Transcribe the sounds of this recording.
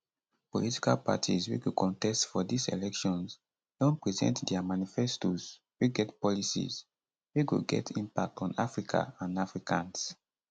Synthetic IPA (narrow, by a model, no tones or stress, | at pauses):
po̰liti̥kalpa̰tʰizwḭɡokʰɔ̃ntɛstfɔdisḛlɛkʃɔ̃ns | d̥ɔ̃npɹɛzɛ̰̃ntdɛamanifɛstoz | wiɡɛtpɔlisḭz | wiɡo̰ɡɛ̰tʰĩmpak̚tʰɔ̃na̰fɹikʰa̰ãnafɹikʰãns